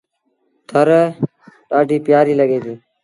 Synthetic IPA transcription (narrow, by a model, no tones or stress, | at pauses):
t̪ʰəɾ | ʈaːɖʱiːpɪjaːɾiːləɡeːt̪iː